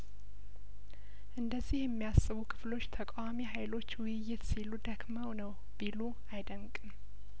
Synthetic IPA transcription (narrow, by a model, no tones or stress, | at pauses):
ʔɨnd̪əzːihjɛmːijasːɨβukʰɨ̥flo̞t͡ʃːt̪ʰəkʼawamiɦajlo̞t͡ʃːwʊjɪjːɪt̪silːud̪əkmawnəw | b̥ilu | ajd̪əmkʼɨm